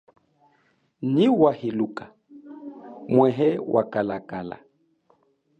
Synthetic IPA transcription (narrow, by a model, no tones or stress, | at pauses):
niwahiluka | mwɛɦɛwʔa̰kalakala̰